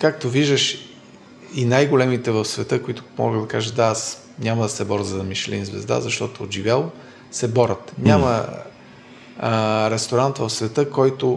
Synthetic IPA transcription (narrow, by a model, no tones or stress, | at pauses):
kakt̪oviʒd̪əʃ | inajɡolɛmit̪ɛvəfsvɛt̪ɤkʊit̪ʊ̥mɔ̰ɡəd̪d̪ɐkaʒət̪d̪aas | nʲamɐd̪ɐsɛbɔɾəzɐɐmiʃlḭnzvɛ̰zd̪a̰zɐʃt̪ɔt̪oːd̪ʒivʲjalˠ | sɛbɔɾət̪ɲʲamə | ɾɛst̪oɾant̪vəfsvɛt̪ɤkɔjt̪o